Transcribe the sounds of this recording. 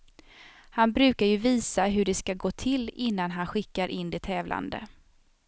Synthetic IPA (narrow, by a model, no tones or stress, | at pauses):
hanbɾʉ̟ːkaɾjɵviːsaɦɵɖɛskaɡoːt̪ʰɪlːɪnːanɦanɧɪkːaɾʔɪnd̪ɛt̪ʰɛːvlʔa̰nd̪ə̰